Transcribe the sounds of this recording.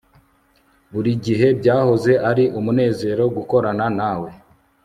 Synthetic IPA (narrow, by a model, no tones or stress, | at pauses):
βuɾiɟiɦe̞bɟaːho̞ze̞ʔaɾiʔumune̞ːze̞ɾo̞ɡuko̞ɾananaːwe̞